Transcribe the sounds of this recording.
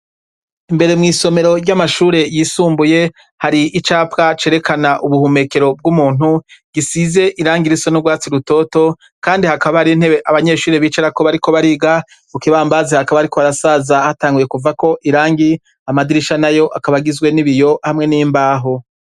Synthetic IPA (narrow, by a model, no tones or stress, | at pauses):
imbe̞ɾemŋiːso̞me̞ɾo̞ɾjɟamaʃuːɾe̞jisuːmbuje̞ | haɾiʔit͡ʃaːpkat͡ʃe̞ːɾe̞kʰanaʔuβuhume̞ke̞ɾo̞b̚ɡumuːn̥uɡ̥isize̞ʔiɾaːŋɡiɾisonubɡwaːt͡siɾuto̞ːto̞ | kaːndihakaβahaɾin̥heβeʔaβaɲe̞ʃuːɾeβiːt͡ʃaɾako̞βaɾiko̞βaɾiɡa | ukiβaːmbazehakaβaaɾiko̞aɾasaːzahataːŋɡuje̞kuvako̞ʔiɾaːŋɡi | amadiɾiʃanajo̞ʔakaβaɡizɡwe̞niβijo̞hamŋe̞nimbaːɦo̞